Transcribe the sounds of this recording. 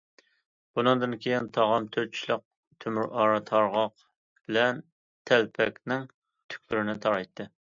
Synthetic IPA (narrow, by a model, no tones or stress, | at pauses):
b̥unɨŋd̪ɨnkʲʰejint̪ʰɑʁɑnt̪ʰøɾt͡ʃʰilˠəq̚ | t̪ʰømyɾʔɑːɾɑt̪ʰɑɾʁɑq | b̥ɪlɛn | t̪ʰɛlpʰɛkʲnɪŋ | t̪ʰy̥kʲlyɾɪnɪt̪ʰɑɾɑjt̪ʰːɨ